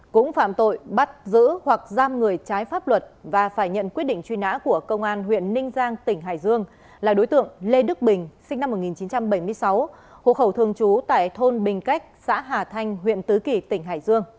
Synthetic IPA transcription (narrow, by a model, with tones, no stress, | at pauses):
kʊ̰˧˥ŋ͡mfa̰ː˧˨mt̪o̰˧˨jɓa˦˥t̚zɨ̰˧˥hwa˨˩k̚zaː˧mŋɨ˨˩əjt͡ɕaː˨˦jfaː˦˥p̚lwə˨˩t̚vaː˨˩faː˧˩jɲə̰˧˨nkwi˦˥t̚ɗḭ̈˧˨ŋ̟t͡ɕwi˧na̰ː˧˥ku˧˩əkə˧wŋ͡mʔaː˧nɦwḭ˧˨ənːï˧ŋ̟zaː˧ŋt̪ï˧˩ŋ̟ɦa̰ː˧˩jzɨ˧əŋ | laː˨˩ɗo˨˦jt̪ɨ̰˧˨əŋle˧ɗɨ˦˥k̚ɓï˨˩ŋ̟sï˧ŋ̟na˧mːo˨˩t̚ŋi˨˩nt͡ɕi˨˦nt͡ɕa˧mɓə˧˩jmɨ˧əjsa˨˦w | ho̰˧˨xə˧˩wt̪ʰɨ˧əŋt͡ɕu˨˦t̪a̰ː˧˨jt̪ʰo˧nɓï˨˩ŋ̟ka˦˥k̟̚sa̰ː˧˥ɦaː˨˩t̪ʰa˧jŋ̟ɦwḭ˧˨ənt̪ɨ˨˦ki˨˩t̪ï˧˩ŋ̟ɦa̰ː˧˩jzɨ˧əŋ